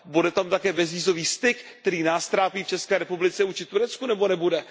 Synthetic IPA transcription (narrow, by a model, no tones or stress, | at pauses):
budɛt̪amt̪akɛːbɛzviːzo̞viːst̪ɪkt̪ɛɾiːnaːst̪ɾaːpiːft͡ʃɛskɛːɾɛpublɪt͡sɛuːt͡ʃɪt̪uɾɛt͡skunɛbonɛbudɛ